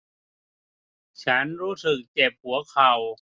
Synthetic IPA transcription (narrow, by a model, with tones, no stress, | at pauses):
t͡ɕʰa˦˥nɾuː˦˥sɯ˨˩k̚t͡ɕe˨˩p̚hu˩˦ɐkʰa˨˩w